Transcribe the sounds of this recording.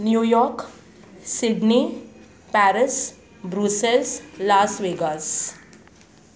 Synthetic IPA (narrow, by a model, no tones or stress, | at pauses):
njuːjɔːɾk | sɪɖni | pæɾɪs | bɾuselslaːsʋeːɡas